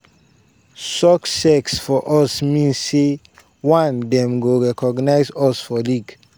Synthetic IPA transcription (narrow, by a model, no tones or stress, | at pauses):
sɔksɛksfɔʔɔsmĩnse | wãnd̪ɛmɡoɾɛkɔɡnaɪsɔsfɔliːɡ